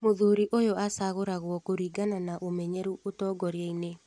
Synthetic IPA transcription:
moðuɾiʔojoasaɣoɾaɣwɔkoɾiːɡananaʔomɛɲɛɾuʔotɔːɡɔɾeeine

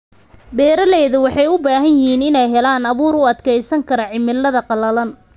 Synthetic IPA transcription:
bɛːɾɐlɛːðʊwɑħɑjʊbaːɦɐnjɪɦiːnɪnɛjɦɛlaːnɐβuːɾʊɐd̪kʰɛjsɐŋkʰɐɾɐʕɪmːɪlːɐðɐqɑlɐlɐn

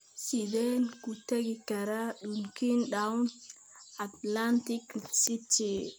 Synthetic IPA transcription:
sidenkuteɡikaɾaɗunkinɗawn | at̪lantiksiti

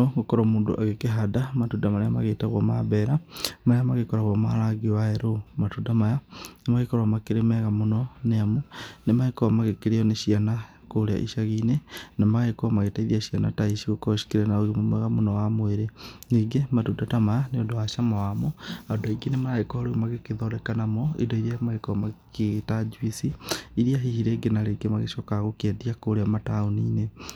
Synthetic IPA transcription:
oɣukoɾomuːndṵʔaɣekeɦadamatudamaɾamaɣetaɣwamaβeɾamaamaɣikoɾaɣwama̰laɡiwaeɾomatudamajanimaɣikoɾwamakiɾemeɣamunoneamunemaikoamaɣekiɾioneʃiana | kulia̰ʔḭʃaɣinenamaɣekɔmaɣetaiɾiaʃianataiʃiɣokɔʃi̥kiɾɛnaoɣemomɛɣamonɔwamoeɾeneɡematudatamaneodowaʃamawamoadɔiɡenemaɾaɣekɔhɔɾoɣemaɣekeðɔɾɛkanamɔḭdɔiɾiamaɣekɔmakeɣtad͡ʒwisiiɾiaɦihiɾeɡenaɾeɡemaɣeʃɔkaɣokeadiakoɾeamataoniːne

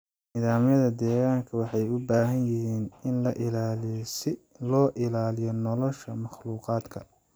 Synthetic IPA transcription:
niːðaːmjɐðɐd̪ɛːɣaːŋkʰɐwɑħɑjʊbaːɦɐnjɪɦiːnɪnlɐʔɪlaːlɪjsɪ | lɔːʔɪlaːlɪjɔnɔlɔʃɐmɑχluːqɑːd̪kʰɐ

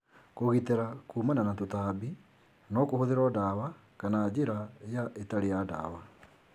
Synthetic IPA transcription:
koɣiteɾakuːmananatotaːbi | nɔkohoðeɾɔdawa | kanaːd͡ʑeɾajaʔetaɾejada̰ːwa

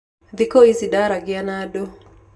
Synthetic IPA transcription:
ðikoizidaɾaɡɪanado

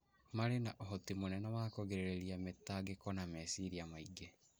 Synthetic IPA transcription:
maɾenaʔɔɦɔtimonɛnɔwaːkoɣeɾeɾeɾiametaɡekɔnamɛsiɾiamaiɡe

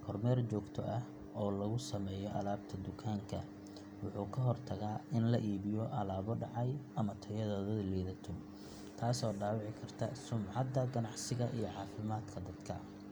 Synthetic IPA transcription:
kʰɔrmɛːrt͡ʃɔːɡt̪ʰɔʔɐ | ɔːlɐɣʊsɐmɛːjɔʔɐlaːb̚t̪ʰɐd̪ʊkʰaːŋkʰɐ̰ | wʊħuːkʰɐɦɔrt̪ʰɐɣaːɪnlɐʔiːβɪjɔʔɐlaːβɔɖɑʕɑjʔɐmɐt̪ʰɐjɐðɐðɐðlɛːðɐt̪ʰɔ | t̪ʰaːsɔːɖaːwɑʕɪkʰɐrt̪ʰɐsʊmʕɑd̪ɐɡɐnɑʕsɪɣɐʔijɔʕɑːfɪmaːd̪kʰɐd̪ɐd̪̥kʰɐ

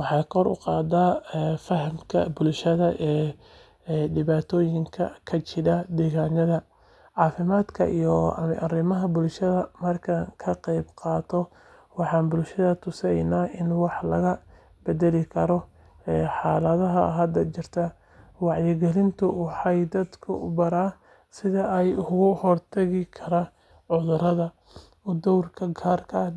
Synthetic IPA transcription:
wɑħɑːjkʰɔɾʊ̰qɑːd̪aːfɐɦmkʰɐ̰bʊlʃɐðɐʔɛː | ɖɪβaːt̪ʰɔːjɪŋkʰɐ̰kʰɐt͡ʃɪɾɐd̪ɛːɣaːnɐðɐ | ʕɑːfɪmaːd̪kʰɐʔḭjɔɐ̰mɐ̰ʔɐrɪmɐɦɐbʊlʃɐðɐmɐrkʰɐkʰɐqɛjbqɑːt̪ʰɔ | wɑħɑːnbʊlʃɐðɐt̪ʰʊsɛjnaːʔɪnwɑħlɐɣɐ | bɛdɛlɪkʰɐɾɔ | ɛːħɑːlɐðɐɦɐɦɐd̪ɐt͡ʃɪrt̪ʰɐ | wɑʕjɪɡɛlɪnt̪ʰʊwɑħɑjd̪ɐd̪kʰʊʔʊbɐɾaː | sɪðɐɛjʊʊɣʊhɔrt̪ʰɐɣɪkʰɐɾa | ʕʊðʊɾɐðɐ | ʊd̪ɔwrkʰɐɡʰaːrkʰɐ

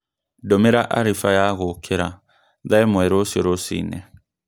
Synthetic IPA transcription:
domeɾaʔaɾifajaɣokʰeɾa̰ | ðaemwɛɾosoɾosḭːnɛ̰

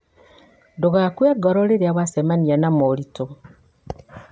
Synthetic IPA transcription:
ndoɣakweɡoɾoleɾeaβwasemanianamoɾito

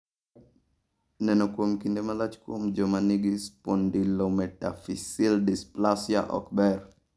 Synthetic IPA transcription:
nɛnɔkwomkindemalat͡ʃkwo̰md͡ʒɔmaniɡispɔndilomɛta̰fisildisplasja̰ʔɔ̰kbɛɾ

